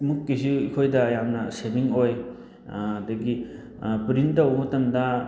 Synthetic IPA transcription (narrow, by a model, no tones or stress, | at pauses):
mukːisiikʰojdɐjamnɐsemiŋoj | dɐɡi | pɾintɐwmɐtɐmdɐ